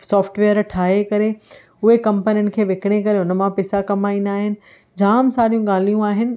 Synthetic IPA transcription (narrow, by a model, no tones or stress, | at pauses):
sɔːfʈʋeːəɾʈʰaːɦekɐɾe | ʊɦekɐ̃mpənijʊnɪ̆kʰeːʋekɪɽ̃ekɐɾeɦʊnə̆mãpɛːsakɐmaːĩnd̪aːɦɪnɪ̆ | d͡ʑaːmsaːɾijũɡaːl̤ijũaːɦɪnɪ̆